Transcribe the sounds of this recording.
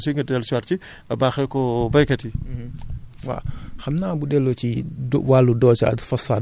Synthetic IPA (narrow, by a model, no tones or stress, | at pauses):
suŋɡɐdɛlsaɾt͡ʃi | ɐbaːxɛkɔbɐjkɐti | wa̰xɐmnaːbudɛlːɔt͡ʃiwalːudɔːt͡ʃa̰dfɔsa